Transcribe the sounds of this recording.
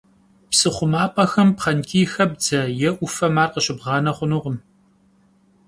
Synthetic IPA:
psɨχʷʊmaːpʼɐxɐmpχɐnkʲʰʼiːxɐb̚d͡zɐjɛʔʷʊfɐmaːrqəɕɪbʁɑːnɐχʷʊnuːʁəm

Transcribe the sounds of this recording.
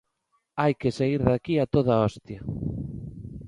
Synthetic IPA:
ajkesaiɾðakiat̪oð̞aɔst̪ja

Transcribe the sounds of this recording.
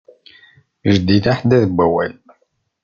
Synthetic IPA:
ʒəd̪iθaħd̪æðəbʷːæwæ̰l

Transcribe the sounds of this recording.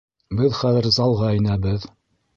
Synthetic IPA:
bɘðχæðɘ̆ɾzɑlˠʁɑinæbɘð

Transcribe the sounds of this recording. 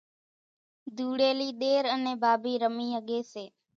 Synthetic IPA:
d̪ʱuːɽeːliːɗ̪eːɾəneːbʱaːbiːɾəmiːɦəɠeːseː

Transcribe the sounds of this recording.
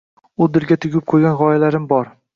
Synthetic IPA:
ʊd̪ɪɾɡʲat̪ʰʊɡʲɪp̚qʰojɡʲanʁɒjalaɾɪmbɒɾ

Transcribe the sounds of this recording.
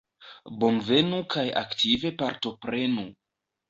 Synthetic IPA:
bo̞nve̞nukʰaja̰ktʰive̞paɾto̞pɾe̞nu

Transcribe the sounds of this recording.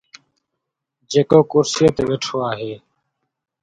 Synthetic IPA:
d͡ʒeːkoːkʊɾsijət̪ʋeːʈʰoːaːɦeː

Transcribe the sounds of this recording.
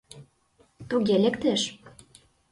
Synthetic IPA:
t̪uɣelekt̪eʃ

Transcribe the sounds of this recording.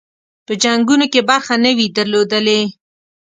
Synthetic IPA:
pəd͡ʒaŋɡunokebaɾxanəwid̪əɾlod̪əle

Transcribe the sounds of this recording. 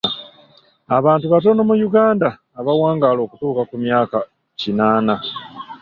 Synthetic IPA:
aβaːntuβato̞nomujuɡaːndaː | βawaːŋɡaːlo̞ːkutuːkakumjaːka | cinaːna

